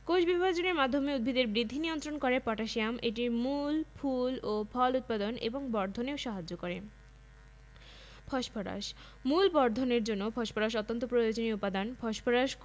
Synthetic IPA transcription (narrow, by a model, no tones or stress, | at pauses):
koʃbibbad͡ʑoneɾmad̪ʱːomeud̪̚bʱid̪eɾbɾid̪ʱːinijont̪ɾonkoɾepɔʈaʃijameʈiɾmulpʰulopʰɔlut̪̚pad̪onḛboŋbɔɾd̪ʱoneoʃaɦad͡ʑːokoɾe | pʰɔʃpʰɔɾa̰ʃ | mulbɔɾd̪ʱoneɾd͡ʑonːopʰɔʃpʰɔɾaʃ̬ɔt̪ːont̪opɾojod͡ʑoniupad̪anpʰɔʃpʰɔɾaʃ